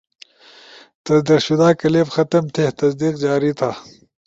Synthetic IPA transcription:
t̪ɐd̪iqɕud̪aːkɐlebxɐt̪ɐmt̪ʰet̪ɐsd̪iːqd͡ʑaːɾit̪ʰaː

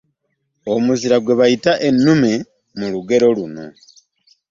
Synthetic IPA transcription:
omuziɾaɡwe̞βajitaʔe̞nːume̞ | muluɡe̞ɾo̞luna̰

